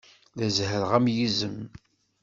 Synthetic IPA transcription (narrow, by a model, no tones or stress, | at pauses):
læzhəɾʁæmjizəm